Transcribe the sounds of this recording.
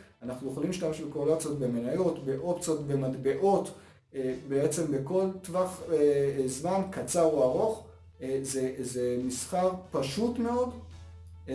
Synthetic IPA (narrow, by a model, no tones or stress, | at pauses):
anaχnujeχolimiʃtameʃbekolat͡sot̪be̞menajo̞tbeʔopt͡so̞t̪be̞madbe̞ʔo̞t̪ | ebeet͡se̞mbeko̞ltvaχezmankat͡saʁoaʁo̞χ | zezemisχaʁpaʃutme̞o̞d